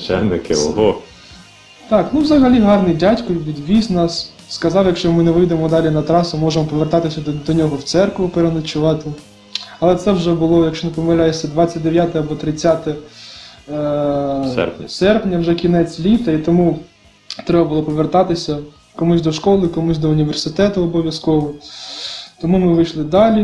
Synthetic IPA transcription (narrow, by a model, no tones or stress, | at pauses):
t͡ʃɛ̰nɪkɪ̰ɔ̰ɦɔ | t̪ɑknuʋzɐɦɐlʲiɦɑrnɪjdʲatʲkɔʋʲid̪ʲʋʲisnɑs | skɐzɑwjɐkʃt͡ʃɔmɪneʋɪjd̪emɔd̪ɑlʲinɐt̪ɾɑsʊmɔʒemɔpɔʋert̪ɑt̪ɪsʲɐd̪ɔnʲɔɦɔwt̪sɛrkʋʊpeɾenɐt͡ʃʊʋɑt̪ɪ | ɐlˠɛt̪sɛwʒɛbʊlˠɔjɐkʃt͡ʃɔnepɔmɪlʲajesʲːɐd̪ʋɑt͡sʲːɐt̚ʲd̪eʋʲjat̪ɪɐbɔt̪ɾɪt͡sʲːat̪ɛ | ɛ̰sɛrpnʲɐwʒɛkʲinɛt͡sʲlʲit̪ɐit̪ɔmu | t̪ɾɛbɐbʊlˠɔpɔʋert̪ɑt̪ɪsʲɐ | kɔmusʲd̪ɔʃkɔlˠɪkɔmusʲd̪ɔʊnʲiʋersɪt̪ɛt̪ʊɔbɔʋʲjɐskɔʋɔ | t̪ɔmumɪʋɪjʃlˠɪd̪ɑlʲi